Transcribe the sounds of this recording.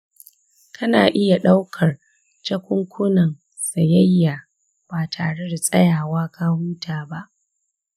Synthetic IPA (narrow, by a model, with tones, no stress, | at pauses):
kʰɐ˦naː˨ʔɪ˦ja˨ɗa˦wkʰɐ˨r | t͡ʃɐ˦kʷʊ˦ŋkʷʰʊ˦nɐ˨n | sɐ˨jɐ˦jːaː˨ | b̥aː˨tʰaː˨ɽe˦da˨sʼɐ̰˦jaː˨waː˦ka˦huː˦tʰaː˨ba˦ʔ